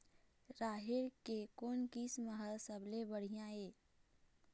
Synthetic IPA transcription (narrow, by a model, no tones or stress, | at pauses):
ɾaːɦɪɾkekoːnkisməɦəlsəblebəɽ̤ijãeː